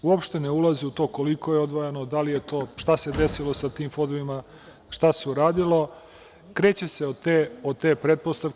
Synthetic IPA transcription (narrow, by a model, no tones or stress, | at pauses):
uopʃt̪e̞neulaziut̪o̞ːko̞liko̞jeod̪ʋojanod̪alijet̪o̞ːʃt̪ase̞d̪e̞silˠo̞sat̪iːmfo̞d̪oʋima | ʃt̪aseuɾaːd̪ilo̞ | kɾe̞ːt͡ɕe̞seot̪eːot̪eːpɾet̪̚post̪aʋ